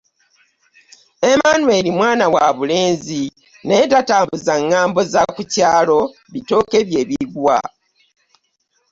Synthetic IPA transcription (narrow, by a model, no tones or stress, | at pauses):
emaːnwe̞ɾimwaːnawaβule̞ːnzi | ne̞ːtataːmbuzaŋːaːmbo̞zakucaːlo̞ | βito̞ke̞βje̞ːβiɡwa̰